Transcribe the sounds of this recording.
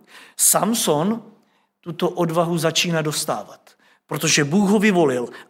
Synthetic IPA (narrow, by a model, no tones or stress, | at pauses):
samso̞n | t̪ut̪o̞ʔodvaɦuzat͡ʃiːnado̞st̪a̰ːvat̪ | pɾo̞t̪o̞ʒɛbuːɣɦovɪvo̞lɪl